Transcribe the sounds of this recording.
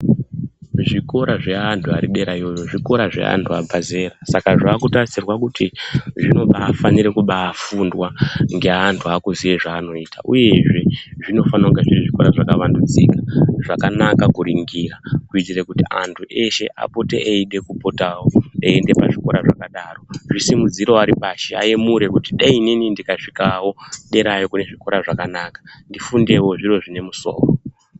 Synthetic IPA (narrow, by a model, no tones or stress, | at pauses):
ʐiko̞ɾʔaʐe̞antʰuaɾiɗe̞ɾaio̞joʐiko̞ɾaʐe̞̰ʔa̰ntʰua̰bʱaze̞ːɾasakaʐaːkutarisirwakutiʐino̞ɓaːfaniɾekuɓaːfundwaŋɡe̞ɦantʰuakuziʋeʐaːno̞itaʔuje̞ʐe̞ʐino̞fanauɡeʐiriʐiko̞ɾaʐakaʋandud͡ziːkaʐakanakakuɾiŋɡirakuitirekutiantʰuʔe̞ʃe̞̰ʔa̰potḛʔeiɗe̞kupotawoeende̞paʐiko̞ɾaʐa̰kaɗaːro̞ʐisimud͡ziɾo̞aɾipaʃea̰jemuɾe̞kutiɗaininindikaʂikawo̞ɗe̞ɾajo̞kune̞ʐiko̞ɾaʐakanakḁndifunde̞wo̞ʐiro̞ʐine̞muso̞̰ːro